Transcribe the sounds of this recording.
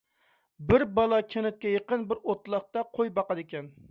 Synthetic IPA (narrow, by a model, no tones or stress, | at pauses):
bɪɾbɑlˠɑkʲʰenɪt̪̚kʲɛjeqənbɪɾot̪lˠɑχt̪ɑqʰojbɑqɑd̪ɪkʲɛn